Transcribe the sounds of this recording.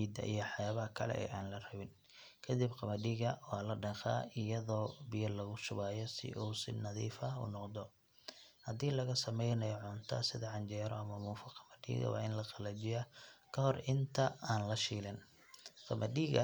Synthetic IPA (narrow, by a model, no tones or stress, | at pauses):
iːd̪ɐ̰ʔḭjɔħjaːβɐhɐkʰɐlɛ̰ʔɛ̰jʔaːnlɐrɐβɪn | kʰɐd̪ɪbqɑmɐɖiːɣɐwɑːlɐɖɐqa̰ːɪjɐðɔːbɪjɐlɐɣʊʃʊβaːjɔsɪ̰ʔuːsɪnɐðḭːfɐṵnɔqd̪ɔ | hɐd̪iːlɐɣɐsɐmɛjnɐjɔʕʊnt̪ʰɐ̰sɪðɐʕɑɲt͡ʃɛːɾɔɐmɐmuːfɐqɑmɐɖḭːɣɐ̰wɑ̰ːɪnlɐqɑlɐt͡ʃɪjakʰɐhɔrɪnt̪ʰɐaːnlɐʃiːlɛn | qɑmɐɖiːɣɐ̰